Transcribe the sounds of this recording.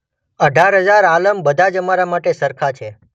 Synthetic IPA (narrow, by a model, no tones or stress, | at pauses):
əɖʱaɾɦəd͡ʒaɾaləmbəd̪ʱad͡ʒəmaɾamaʈesəɾkʰat͡ʃʰe